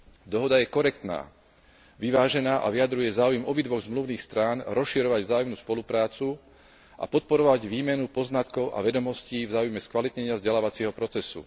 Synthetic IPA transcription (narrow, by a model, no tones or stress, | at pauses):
d̪ɔɦɔd̪ajɛkɔɾɛkt̪na̰ː | ʋiʋaːʒɛnaːʔa̰ʋiad̪ɾujɛzaːujɛmɔbid̪ʋɔɣzmluʊniːxst̪ɾaːnɾɔsʃiɾɔʋaɟvzaːjumnuspɔlupɾaːt͡su | ʔa̰pɔt̪̚pɔɾɔʋaɟʋiːmɛnupɔznat̪kɔʊʔa̰ʋɛd̪ɔmɔsciːvzaːujmɛskʋalit̪ɲɛɲɪavzɟɛlaːʋat͡sɪɛɦɔpɾɔt͡sɛsṵ